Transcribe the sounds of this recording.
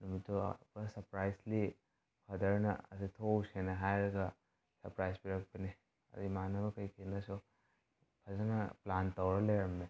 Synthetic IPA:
numitṵbɐsɐɾpɾajsli | pʰɐdɐɾnɐ̰ɐditʰowsenɐɦajɾɐɡɐ | sɐɾpɾajsbiɾɐk̚pɐni | ɐ̰dimanɐbɐkɐjkʰinɐsu | pʰɐzɐnɐplantɐwɾɐlejɾɐmne

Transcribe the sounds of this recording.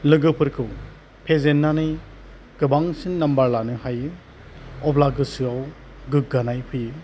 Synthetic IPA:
lɯɡɯpʰɯɾkʰɯw | pʰezenːanɯj | ɡ̥ɯbaŋsinːambaɾlanɯhajɯ | ɔplaɡɯsɯaw | ɡɯk̚ɡanajpʰɯjɯ

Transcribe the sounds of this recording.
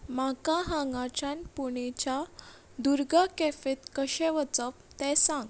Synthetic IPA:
makaɦãŋɡat͡ɕãnpuɳ̃it͡ɕa | d̪uɾɡakefet̪kəɕɛ̃ʋət͡səpt̪ɛsãŋɡ

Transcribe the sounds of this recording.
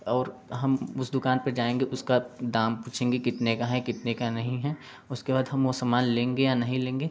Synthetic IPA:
ɔːɾɦɐmʊsd̪ʊkaːnpɐɾd͡ʒaːẽːŋɡeʔʊskad̪aːmpuːt͡ʃʰẽːŋɡekɪt̪nekaɦɛkɪt̪nekanɐɦĩɦɛ | ʊskebaːd̪ɦɐmʋosɐmaːnlẽːŋɡejanɐɦĩlẽːŋɡeː

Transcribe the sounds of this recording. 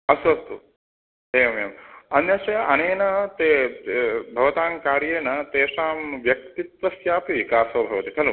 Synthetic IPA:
ɐsɐst̪u | ɦeːʋɐmejɐmɐnjɐsɐjɐʔɐñeːnɐt̪e | bʱɐʋɐt̪aːŋkaːɾjeːnɐt̪eːʂaːmʋjɐk̚t̪it̪ʋɐsjaːpiʋikaːsɐbʱɐʋɐt̪ik̪ʰɐlu

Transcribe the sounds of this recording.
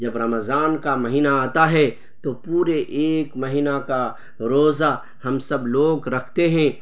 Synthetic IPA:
d͡ʒɐbɾɐmzaːnkamɐɦiːnaaːt̪aɦɛ | t̪opuːɾeʔeːkmɐɦinaka | ɾoːza | hɐmsɐbloːɡɾɐkʰt̪eɦɛ̃ː

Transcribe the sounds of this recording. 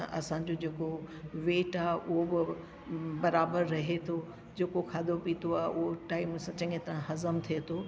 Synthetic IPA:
ʔɐ̰sã̆d͡ʑod͡ʑeːkoʋeːʈaːɦeʔʊɦobɪ | bɐɾaːbəɾːɐɦet̪ʰo | d͡ʑeːkokʰaːd̪ʱopiːt̪ʰoaːɦeʔʊɦoʈaːɪmsãt͡ɕɐ̃ŋẽt̪ɾãɦɐzəmt̪ʰiet̪ʰoː

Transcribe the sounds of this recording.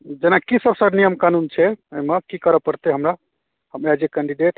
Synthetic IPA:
d͡ʒenakisəbsənijəmkanunt͡ʃʰɛəimakikəɾəpəɾt̪eɦəmɾa | həmɛd͡ʒekɛ̃ɳɖiɖeʈ

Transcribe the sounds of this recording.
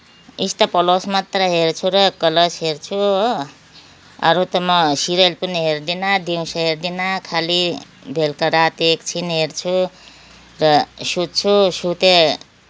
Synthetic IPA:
ist̪ʌpʌlosmat̪rʌɦert͡sʰuɾʌkʌlʌsɦert͡sʰu | ʌ̰ɾut̪ʌmʌsiɾelpʌniɦerd̪inad̪iwsʌɦerd̪inakʰali | bʱelkaɾat̪ekt͡sʰinɦert͡sʰu | rʌsud̪̚t͡sʰusut̪e

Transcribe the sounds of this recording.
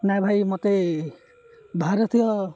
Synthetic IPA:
najbʱajmot̪e | bʱaɾɔt̪ijɔ

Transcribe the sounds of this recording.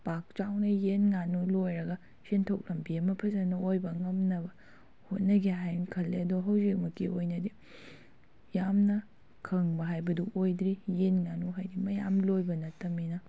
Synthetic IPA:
pak̚t͡ʃawnɐjenŋanulojɾɐɡɐ | sentʰok̚lɐmbiɐmɐpʰɐzɐnɐojbɐŋɐmnɐbɐ | hot̚nɐɡeɦajkʰɐlːeɐdoɦɐwzik̚mɐkːiʔojnɐdi | jamnɐ | kʰɐŋbɐɦajbɐduojdɾijenŋanuɦajdimɐjamlojbɐnɐtːɐminɐ

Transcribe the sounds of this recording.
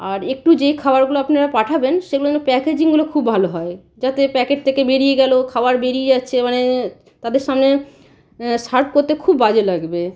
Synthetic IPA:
aɾek̚ʈud͡ʑejkʰabaɾɡuloapnaɾapaʈʰabenʃeɡuloanepɛked͡ʑiŋɡulokʰubːʱaloɦɔe | d͡ʑat̪epɛkeʈ̚t̪ʰekebeɾijeɡɛlokʰabaɾbeɾijed͡ʑatːɕʰemane | t̪ad̪eɾʃamne | ʃaɾp̚koɾt̪ekʰubːad͡ʑelaɡbe

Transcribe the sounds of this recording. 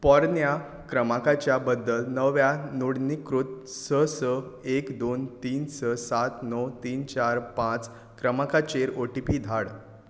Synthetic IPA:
pɔɾnja | kɾəmakat͡ɕjabəd̪ːəlnəʋjanuɽnikɾut̪̚səsəekd̪ont̪iːnsəsat̪nɔt̪iːnt͡ɕaɾpãt͡s | kɾəmakat͡ɕeɾoʈipid̪ʱaɽ

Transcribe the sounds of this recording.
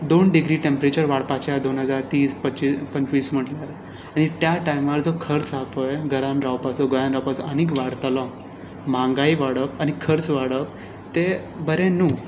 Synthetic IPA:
d̪onɖiɡɾiːʈempɾet͡ɕəɾʋaɽpat͡ɕjad̪onɦəd͡zaɾt̪iːspət͡ɕipəɲt͡ɕʋiːsm̤əʈljaɾ | añit̪jaʈajmaɾd͡zokʰəɾt͡sakojɡəɾãmɾawpasɔɡojãnɾawpasəənikʋaɽt̪lɔ̃ | mãŋɡaiʋaɽəpañikʰəɾt͡sʋaɽəp̚ | t̪e | bəɾẽnu

